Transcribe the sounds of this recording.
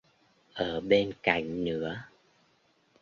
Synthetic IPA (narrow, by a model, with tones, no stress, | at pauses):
ʔəː˧˩ɓe˧nka̰˧˩˨jŋ̟nɨ̰˧˥ə